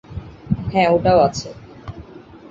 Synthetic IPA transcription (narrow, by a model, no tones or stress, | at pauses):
ɦɛ̃oʈaoat͡ɕʰe